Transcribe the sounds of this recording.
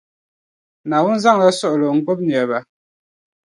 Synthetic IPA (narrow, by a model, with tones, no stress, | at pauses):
na˨wu˦n̩˦za˦ŋ˨la˦sɔ˦ʔlo˨ŋ̩˦ko˦p̚ni˨ə˨ba˨